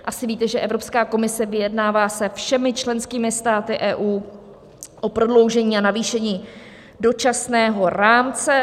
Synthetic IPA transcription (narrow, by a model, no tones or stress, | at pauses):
ʔasɪviːt̪ɛʒɛʔɛvɾo̞pskaːko̞mɪsɛvɪjɛdnaːvaːsɛfʃɛmɪt͡ʃlɛnskiːmɪst̪aːt̪ɪʔɛːʔuː | ʔo̞pɾo̞dlo̞wʒɛɲiːanaviːʃɛɲiː | do̞t͡ʃasnɛːɦo̞ɾaːmt͡sɛ